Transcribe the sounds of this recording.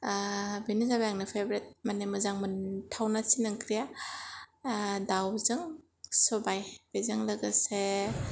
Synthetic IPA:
benizabajaŋnɯpʰebɾet̚manemɯzaŋmɯntʰawnasinɯŋkʰɾija | dawzɯŋ | sɔbajb̥ezɯŋlaɡase

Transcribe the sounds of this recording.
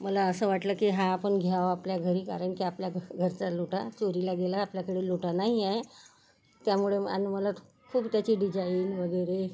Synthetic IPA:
məlaəsəːʋaʈləːkiːɦãːpəɳɡʱjaʋapljaɡʱəɾiːka̰ɾəɳkiːapljaɡʱəɾt͡saloʈat͡soɾilaɡelaːpljakəɽeːloʈanaɦiae | t̪jamuɭea̰niməla | kʰuːbt̪jat͡ɕiɖid͡ʑainʋəɡəjɾe

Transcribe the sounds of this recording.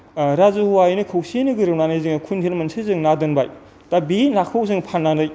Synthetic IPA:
ɾazuhuwajnɯkʰɐwsienɯɡɯɾɯwnanɯjziɯŋkʰuntʰelmɐnsʰezɯŋnadɯnbaj | tabinakʰawsɯŋpʰanːanɯj

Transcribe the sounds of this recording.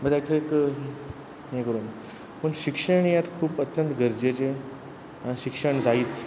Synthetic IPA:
məɡd̪ak̪ʰeek | ɦẽkəɾuːn | pəɳɕikʂəɳjat̪kʰuːpət̪jənt̪ɡʱəɾd͡ʑet͡ɕe | ãɕikʂəɳd͡zaiːt͡s

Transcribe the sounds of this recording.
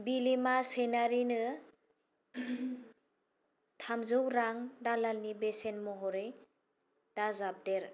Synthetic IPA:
bilimasenaɾinɯ | tʰamzuwɾaŋdalalnibesenmɔɦɔɾɯj | d̥azap̚deɾ

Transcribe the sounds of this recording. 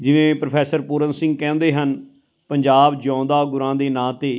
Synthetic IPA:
d͡ʒɪʋẽːpɾəpʰɛːsəɾpʊːɾənsɪ̃ŋɡ̚kɛ̃ːnd̪eːɦən | pəɲd͡ʒaːbd͡ʒãːnd̪aːɡʊɾãːd̪eːnãːt̪eː

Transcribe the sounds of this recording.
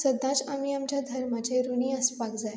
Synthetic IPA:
səd̪ːãt͡samiːamt͡ɕjad̪ʱəɾmat͡ɕeɾuniːəspakd͡zaj

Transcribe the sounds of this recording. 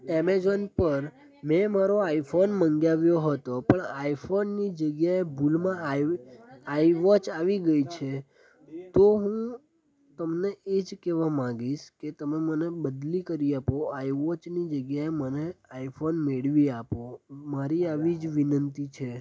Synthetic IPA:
ɛmezonpəɾ | mɛmaɾoaifʰonməŋɡjaʋjoɦət̪opəɳaifʰonːid͡ʒəɡjaebulmãa | aiʋɔt͡ʃaʋiɡəit͡ʃʰe | t̪oɦũ | t̪əmneʔed͡ʒkɛʋamãɡiʃket̪əmemənebəd̪likəɾiapoaiʋɔt͡ʃnid͡ʒəɡjaeməneaifʰonmeɭʋiapomaɾiaʋid͡ʒʋinənt̪it͡ʃʰe

